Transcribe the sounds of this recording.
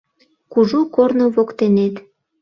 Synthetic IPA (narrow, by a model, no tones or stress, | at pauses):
kuʒukornoβokt̪enet̪